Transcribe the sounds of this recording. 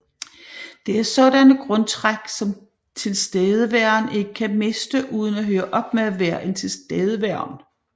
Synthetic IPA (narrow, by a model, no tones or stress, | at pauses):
d̥e̝æɐsɒ̽ɾ̥ænəɡ̥ʁɔ̽nt͡sʰʁaɡ̥sɒ̽m | t͡sʰe̝lsd̥eːð̞ˠəʋæɐ̰ne̝ɡ̥əkʰæme̝sd̥əʔuːð̞ˠən̩æɦøːɐʔɒ̽b̥meæʋæɐʔent͡sʰe̝lsd̥eːð̞ˠəʋæɐ̰n